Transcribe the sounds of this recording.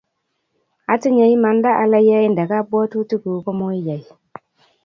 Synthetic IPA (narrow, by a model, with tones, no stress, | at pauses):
a˨ti˦ɲe˨ji˦ma˨nda˦ʔa˨la˦ja˦i˦nda˨ka˦bo˦tu˦tu˦ku˨˦ko˦mo˦i˦ja˨i˨